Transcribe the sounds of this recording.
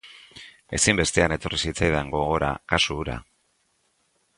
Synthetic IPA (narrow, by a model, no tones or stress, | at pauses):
e̞simbe̞st̪e̞ane̞t̪o̞risit͡sajðeŋɡo̞ɣo̞ɾa̰kasuːɾa̰